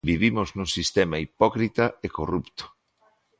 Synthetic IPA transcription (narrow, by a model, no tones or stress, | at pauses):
biβimʊznũsist̪emaipɔkɾit̪ɐekorupt̪o̥